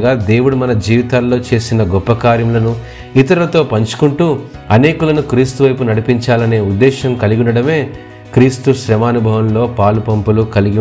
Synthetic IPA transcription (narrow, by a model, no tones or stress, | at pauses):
ɡaːd̪e̞ːwuɽumɐnɐd͡ʒiːʋit̪aːlːo̞ːt͡ʃe̞ːsinɐɡɔpːɐkaːɾjɐmlɐnu | it̪ɐɾɐlɐt̪o̞ːpɐɲt͡ʃu̥kuɳʈuː | ɐne̞ːkulɐnukɾiːst̪uʋɐjpunɐɽipiɲt͡ʃaːlɐne̞ːud̪ːɛːʃɐmkɐliɡiunɐɽɐme̞ː | kɾiːst̪uʃɾɐmaːnubʱɐʋɐmlo̞ːpaːlupɐmpulukɐliɡi